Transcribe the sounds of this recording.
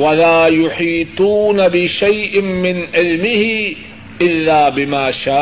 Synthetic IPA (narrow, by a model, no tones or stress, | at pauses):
walaːjʊħiːt̪ˤuːnabɪʃajʔɪmɪnʕɪlmɪhɪ | ʔɪlːaːbɪmaːʃaː